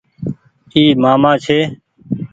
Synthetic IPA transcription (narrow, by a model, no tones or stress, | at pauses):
iːmaːmãːt͡ʃʰeː